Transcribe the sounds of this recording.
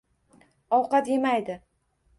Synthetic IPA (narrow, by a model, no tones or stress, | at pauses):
ɒwqɑt̪je̞majd̪ɪ